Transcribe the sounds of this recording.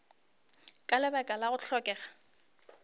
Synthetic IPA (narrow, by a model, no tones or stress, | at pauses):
kʼalɪbakʼalaɣʊɬʰɔkʼɛːɣḁ